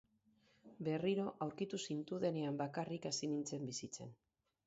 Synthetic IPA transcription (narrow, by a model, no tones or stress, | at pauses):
be̞riɾo̞ʔawɾkit̪usint̪uðe̞ne̞ambakarikasinint͡se̞mbisit͡se̞̰n